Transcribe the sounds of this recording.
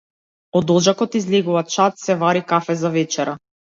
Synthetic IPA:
ɔd̪ɔʒakɔt̪izlɛɡuvat͡ʃat̪sɛvaɾikafɛzavɛt͡ʃɛɾa

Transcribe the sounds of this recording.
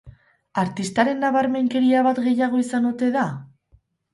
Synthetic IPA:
aɾt̪ist̪aɾe̞nːaβaɾme̞ŋke̞ɾiaβat̪ɣe̞jaɣ̞o̞isanut̪e̞ða

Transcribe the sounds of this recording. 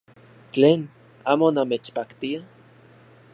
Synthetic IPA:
t͡ɬeːn | aːmonamet͡ʃpakt̪ia

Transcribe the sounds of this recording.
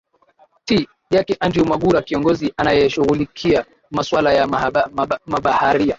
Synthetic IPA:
ti | jakɛʔandiumaɠuɾakiɔŋɡɔziʔanajɛʃuɣulikʰia | maswalaja | maɓahaɾia

